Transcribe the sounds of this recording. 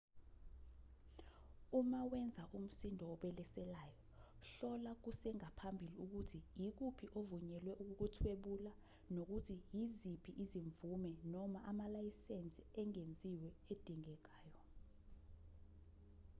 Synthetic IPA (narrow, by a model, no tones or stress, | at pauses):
umawɛnd͡zʱaʔum̩sindʱɔːɓɛlɛsɛlajɔɬɔlak̬usɛŋapʰambʱiliuk̬utʰijik̬upʰiʔovuɲɛlwɛʔuk̬uk̬utʰweɓula | nok̬utʰijizipʰiʔiziɱvumɛnɔmaʔamalajisent͡sʼiɛŋend͡zʱiwɛed̥ʱiŋɛk̬aːjɔ